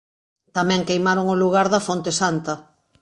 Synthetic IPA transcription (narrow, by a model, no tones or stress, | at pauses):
t̪amɛ̃ŋkejmaɾoŋoluɣ̞aɾðɐfont̪esant̪ɐ